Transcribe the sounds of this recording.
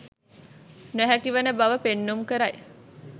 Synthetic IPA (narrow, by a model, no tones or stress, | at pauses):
næɦækiʋənəbaʋəpenːumkəɾaj